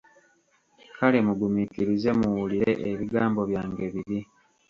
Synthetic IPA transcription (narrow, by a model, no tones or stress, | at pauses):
kale̞muɡumikiɾize̞muwuliɾe̞̰ʔeβiɡaːmbo̞βjaːŋɡe̞βiβi